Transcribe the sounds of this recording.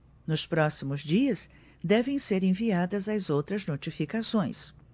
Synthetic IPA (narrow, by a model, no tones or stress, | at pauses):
nʊspɾɔsimʊzd͡ʒiɐs | d̪ɛvẽj̃seɾẽviad̪ɐzɐzowt̪ɾɐznot͡ʃifikasõj̃s